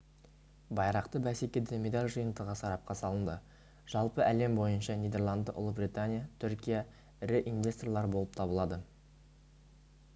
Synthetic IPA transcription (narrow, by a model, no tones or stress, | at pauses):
bɑjɾɑqt̪əbæsekʲe̞d̪emʲe̞d̪alʲʒəjənd̪əʁɑsɑɾɑp̚qɑsɑlˠənd̪ə | ʒ̥ɑlˠpəʔæle̞mbo̞jənʃɑnijd̪e̞rlˠand̪əʔʊ̰lˠəbrijt̪anʲijat̪ʰʏɾkʲija | ɪɾɪʔinvʲe̞st̪rlˠɑɾbo̞lˠəp̚t̪ʰɑbəlˠɑd̪ə